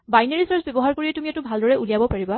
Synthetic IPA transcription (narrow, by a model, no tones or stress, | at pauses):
bajneɹisaɹsbebɔɦaɹkoɹiɛtumiatubʱaldɔɹɛʔulijabɔpaɹiba